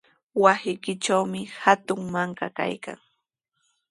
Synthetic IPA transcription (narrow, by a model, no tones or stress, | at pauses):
wasɪjkɪt͡ʃawmɪhat̪ʊŋmaɴkaka̰jka̰ŋ